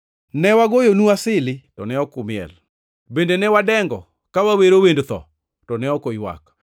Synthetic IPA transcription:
nɛwaɡojonuasɪlɪtɔnɛɔkʊmɪɛ̰l | bendenɛwadɛŋɡɔ | kawaweɾowendt̪ɔ̰ | tɔnɛɔkojwa̰k

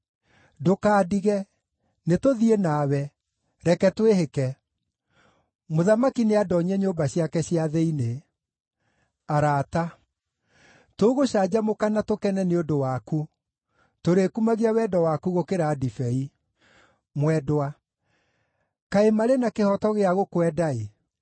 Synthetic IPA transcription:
dokaːdiɣɛ | netoðienaːwɛ | ɾɛkɛtweɦekɛ | moðamakineadɔɲɛɲombaɕjakɛɕiaðɛine | aɾaːta | toɣoɕad͡ʑamokanatokɛnɛneodowaku | toɾekumaɣiawɛdɔwakuɣokeɾaːdifɛi | mwɛdwa | kaemaɾenakehɔtɔɣeaɣokwɛdae

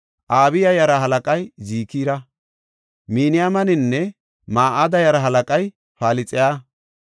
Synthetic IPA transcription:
ʔaːbɪjɐjɐɾɐɦɐlɐkʼɐjziːkiːɾɐ | miːnɪjamɐnɪnːɛ | maːʔad̪ɐjɐɾɐɦɐlɐkʼɐj | faːlɪt͡sʼɪjaː

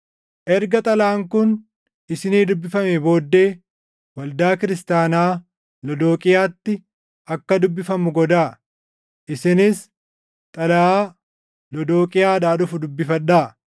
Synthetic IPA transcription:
ʔɛɾɡɐt̪ʼɐlaːŋkʊn | ʔɪsɪniːd̪ʊbːɪfɐmeːbo̞ːd̪ːe̞ː | wɐld̪aːkɪɾɪst̪aːnaː | lɔd̪o̞ːkʼɪjaːt̪ːɪ | ɐkːɐd̪ʊbːɪfɐmʊɡɔd̪aː | ʔɪsɪnɪs | t̪ʼɐlɐaː | lɔd̪o̞ːkʼɪjaːd̪aːᶑʊfʊd̪ʊbːɪfɐᶑaː

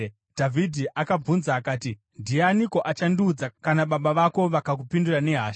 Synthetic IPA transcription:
dʱavʱidʱiʔakab͡vunzaːkaːti | ndianiko̞ʔat͡ʃandud͡zakanaɓaɓaʋako̞ʋakak̬upindurane̞ɦaːʃ

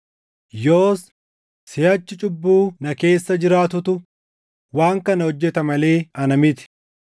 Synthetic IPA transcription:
joːs | sɪjɐt͡ʃːɪt͡ʃʼʊbːuːnɐke̞ːsːɐd͡ʒɪɾaːt̪ʊt̪ʊ | waːŋkɐnɐhɔd͡ʒːɛt̪ɐmɐleːɐnɐmɪt̪ɪ̥

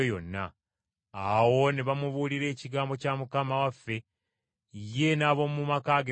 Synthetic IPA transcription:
ojo̞nːa̰ | awo̞neβamuβuliɾe̞ːciɡaːmbo̞camukamawafːe̞ | ije̞naβo̞mumakaɡe

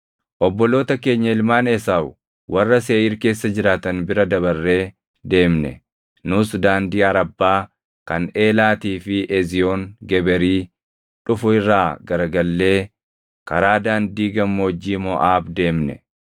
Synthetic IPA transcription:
ʔɔbːɔlo̞ːt̪ɐke̞ːɲːɐɪlmaːnɛsaːw | wɐrːɐseːʔiːɾke̞ːsːɐd͡ʒɪɾaːt̪ɐnbɪɾɐd̪ɐβɐrːe̞ː | d̪e̞ːmnɛ̰ | nʊsd̪aːnd̪iːɐɾɐbːaː | kɐne̞ːlaːt̪iːfɪʔɛzɪjoːŋɡɛbɛɾiː | ᶑʊfʊɪrːaːɡɐɾɡɐlːe̞ː | kɐɾaːd̪aːnd̪iːɡɐmːoːd͡ʒːiːmɔʔaːbd̪e̞ːmnɛ̰

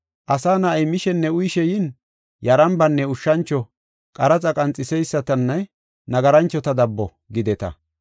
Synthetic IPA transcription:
ʔɐsaːnɐɐjmɪʃɛnːɛʊjʃɛjɪn | jɐɾɐmbɐnːɛʊʃːɐnt͡ʃːɔ | kʼɐɾɐt͡sʼɐkʼɐnt͡sʼːɪsɛjsːɐt̪ɐnːɐ | nɐɡɐɾɐnt͡ʃːɔt̪ɐd̪ɐbːɔ | ɡɪd̪ɛt̪ɐ̰

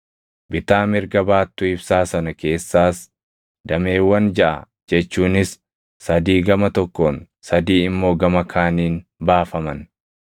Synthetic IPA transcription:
bɪt̪aːmɪɾɡɐbaːt̪ːʊɪbsaːsɐnɐke̞ːsːaːs | d̪ɐme̞ːwːɐnd͡ʒɐʔɐ̰ | d͡ʒɛt͡ʃːuːnɪsː | ɐd̪iːɡɐmɐt̪ɔkːoːn | sɐd̪iːɪmːo̞ːɡɐmɐkʰaːniːnbaːfɐmɐn

